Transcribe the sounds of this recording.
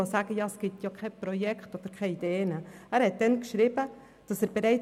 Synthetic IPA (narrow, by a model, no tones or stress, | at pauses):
osaːɡ̥əjɑːɛsɡ̥ɪtjɑkʰɛɪpɾɔjɛktod̥əɾkʰɛid̥eːnəæːɾhɛt̚d̥ɛnkʃɾɪb̥ə | d̥ɑsæːɾbeɾɛɪ